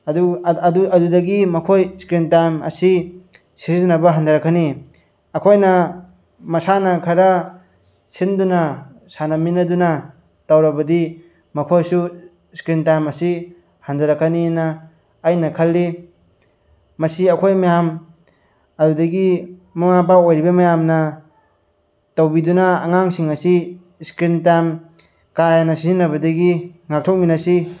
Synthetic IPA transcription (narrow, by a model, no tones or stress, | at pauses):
ɐduduɐdudɐɡimɐkʰojskɾintamɐ̰si | sizizinɐbɐɦandɐɾɐkʰani | ɐkʰojnɐ | mɐsanɐkʰɐɾɐ | sindunɐ | sanɐminɐdunɐ | tawɾɐbɐdi | mɐkʰojsu | skɾintamɐsi | handɐɾɐkʰːaninɐː | jnɐkʰɐlːi | mɐsiɐkʰojmajam | ɐɾudɐɡimɐŋapaojɾibɐmɐjamnɐ | tɐwbidunɐːŋaŋsiŋɐsi | skɾintam | kajanɐsizinɾɐβɐdɐɡiŋak̚tʰok̚minɐsi